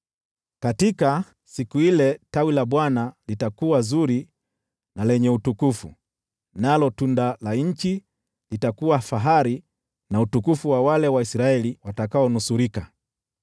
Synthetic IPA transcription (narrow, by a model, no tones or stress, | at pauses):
katika | sikuilɛtawilaɓwanalitakuwazuɾi | nalɛɲɛutukufṵ | nalɔtundalaɲ̩t͡ʃi | litakuwafaɦaɾi | nautukufuwawalɛwaisɾaɛliwatakaɔnusuɾika